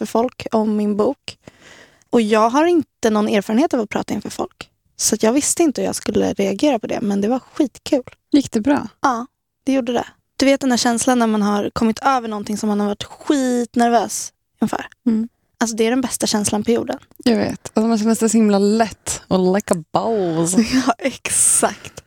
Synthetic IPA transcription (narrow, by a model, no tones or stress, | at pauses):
fœɾfɔlkɔmːɪnbuːk | ɔjɑːɡɦaɾɪnt̪ənɔneːɾfɑɾənheːt̪ɑvat̪pʰɾɑ̰ːt̪aɪnfœɾfɔ̰lk | sat̪jɑːɡvɪst̪əɪnt̪əjɑ̰ɡskɵlːə̰ɾɛaɡeːɾapʰɔd̪ɛ̰mɛnd̪ɛvaɧiːt̪kʰʉ̟ːl | jɪkd̪ɛbɾɑ̰ːʔɑː | d̪̥ɛjuɖːəd̪ɛ̰ | d̪̥ɵveːt̪̚d̪ɛnd̪æːɕɛnslanːæɾmanɦaɾkʰɔmːɪt̪ʰøːvəɳɔnt̪ʰɪŋsɔmhanhaɾvaʈːɧiːt̪næɾvøːs | ʏŋfœ̰ːɾ | ʔals̬ɔd̪ɛæɖɛnbɛst̪aɕɛnslanpʰɔjṵːɖənjɑvḛːt̪alsɔmanɕɛnd̪əsd̪ɛsɔhɪmlalɛt̪ːɔlaɪkəbaʊsjɑːʔɛksakt̪